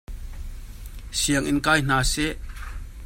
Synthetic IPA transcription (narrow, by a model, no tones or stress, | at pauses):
siɐŋʔinkaːjn̥aːsɛʔ